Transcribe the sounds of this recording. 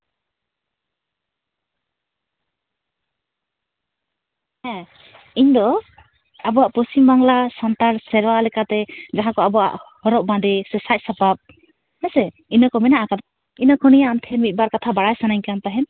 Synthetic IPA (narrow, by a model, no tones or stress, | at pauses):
hɛ̃ | iɲd̪ɔ | abɔaʔpɾɔsimbaŋlasant̪aɾsɛɾwalɛkat̪ɛd͡ʒaɦãkɔabɔa̰ʔhɔɾɔʔ̚bãd̪ɛsɛsac̚sapap̚ | nɛsɛ | inɔkɔmɛnaʔakad̪ | inɔkʰɔnijaant̪ʰɛmit̪̚ˀbaɾkat̪ʰabaɽajsanajɲkant̪aɦɛn